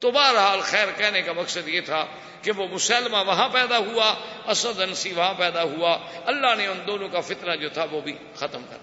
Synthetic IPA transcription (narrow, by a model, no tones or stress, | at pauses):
t̪oːbaːɾɦaːlxɛːɾkɛːnekamɐksəd̪jeːt̪ʰaː | keʋoːmʊsaːlmãːʋɐɦãpɛːd̪aɦʊaː | ɐsəd̪ənsiʋɐɦãːpɛːd̪aɦʊuaːɐlːaːneʊnd̪oːnõːkafɪt̪nad͡ʒoːt̪ʰaʋobʱiː | xət̪əmkə̰ɾa